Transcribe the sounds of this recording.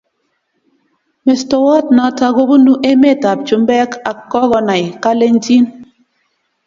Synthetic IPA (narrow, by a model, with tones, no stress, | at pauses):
me˨stɔ˨wɔ˦t̚na˨˦ta˦ɣo˦bu˦nu˦ʔe˦me˦˨ta˨p̚t͡ʃu˨mbɛ˦ka˨kːɔ˦ɣɔ˨na˨jka˦le˦n̩˦ti˦n